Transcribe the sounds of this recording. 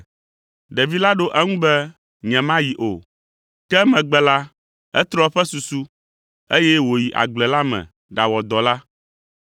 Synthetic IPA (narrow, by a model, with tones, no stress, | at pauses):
ɖɛ˨vi˦la˦ɖo˦ʔɛ˦ŋũ˦bɛ˦ | ɲɛ̃˨mã˦ji˨ʔo˨ | kɛ˦mɛ̃˨ɡ͡bɛ˦la˦ | ɛ˦t̪ɾɔ˦ɸɛ˦su˨su˦ | e˦jɛ˦wo˨ji˨ʔa̰˨ɡ͡blɛ˨la˦mɛ̰̃˨ | ɖa˨wɔ˨d̪ɔ˨la˦